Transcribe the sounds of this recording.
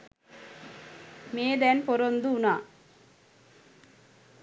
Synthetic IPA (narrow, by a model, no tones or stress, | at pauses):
meːd̪ɛnpoɾond̪uunaː